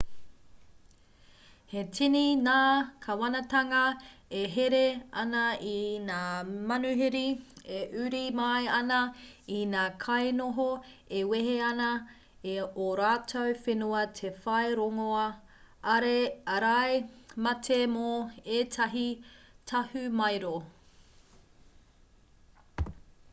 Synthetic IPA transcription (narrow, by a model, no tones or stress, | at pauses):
hetʰininaːkʰɐwɐnɐtɐŋɐeɦeɾeɐnɐinaːmɐnʉɦeɾieʔʉɾimɐjɐnɐinaːkʰɐjnoɦoeweɦeɐnɐ | eoɾaːtʰowfenuɐtʰefɐjɾoŋoɐ | ɐɾeɐɾajmɐtʰemoeːtʰɐɦitʰɐhʉmɐjɾo